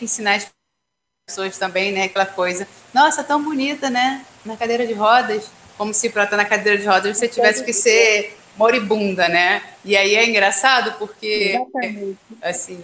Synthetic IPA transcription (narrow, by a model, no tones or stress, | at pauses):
ẽsĩnas | soɐst̪ɐ̃bẽj̃nɛakɛlɐkojzɐ | nɔsɐt̪ɐ̃w̃bunit̪ɐnɛ | nɐkad̪ejɾɐd͡ʒɪɦɔd̪ɐʃ | kõmʊsɪpɾat̪anɐkad̪eɾɐd͡ʒɪɦɔd̪ɐʒvoset͡ʃivɛsɪ̥kɪseɾ | moɾibũd̪ɐnɛɪaiɛĩŋɡɾasad̪ʊpoχkeat͡ʃasĩ